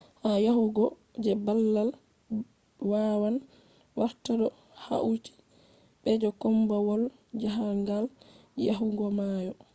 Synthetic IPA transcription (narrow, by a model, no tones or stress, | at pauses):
hajaɦuɡɔ | d͡ʒɛbalːal | wawan | waɾtaɗɔ | ha̰ʔut͡ʃi̥ | ɓɛd͡ʒɔkɔmbawɔl | d͡ʒaɦaŋɡal | ja̰ɦuɡɔmajɔ